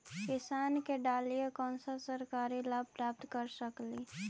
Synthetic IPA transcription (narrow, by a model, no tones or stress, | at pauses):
kɪsaːnkeɖaːlijekɔːnsasəɾkaːɾilaːb̚pɾaːp̚t̪kəɾsəkliː